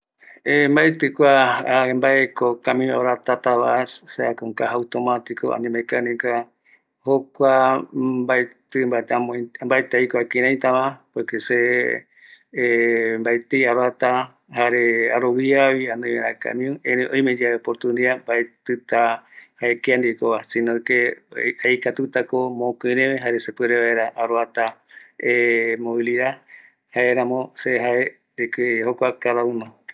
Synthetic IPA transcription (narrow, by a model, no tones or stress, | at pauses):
embaet̪ɨkʷaaembaekokamĩũa̰ɾat̪at̪aβasseakoŋkaɦawt̪omat̪iko̰ʔa̰nĩmakanĩka | hokʷabajt̪ɨmbat̪amombaet̪ejkoakĩɾãj̃t̪amãpekese | mbajt̪ejaɾat̪a | haɾeaɾowiaβiãnõj̃mẽɾãka̰mĩũẽɾẽʔoj̃mẽd͡ʒaepoɾt̪ũnd̪iambaet̪ɨt̪ahaekeand̪ikoβasĩnõkeajkat̪ut̪akomõkɨ̃ɾẽmeɦaɾesepeɾeβaeɾaʔaɾoat̪a | emõiliɾa | haeɾãmõseɦae | d̪ekehokʷakaðaunõ